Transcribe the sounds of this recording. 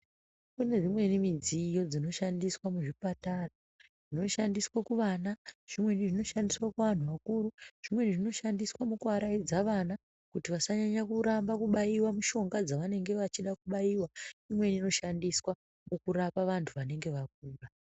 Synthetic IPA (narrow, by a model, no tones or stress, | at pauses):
kune̞ʐimwe̞nimid͡zijo̞d͡zino̞ʃandiswamuʐipatara | ʐ̥ino̞ʃandiswakuʋanaʐ̥imweniʐino̞ʃandiswakuʋan̤uʋakuːɾuʐ̥imwe̞niʐino̞ʃandiswamukuaɾaid͡zaʋana | kutiʋasaɲaɲakuɾambakuɓajiwamuʃo̞ŋɡad͡zaʋane̞ŋɡe̞ʋat͡ʃiɗakuɓajiwaimwe̞nino̞ʃandiswa | mukuɾapaʋantʰuʋane̞ŋɡe̞ʋak̚uːra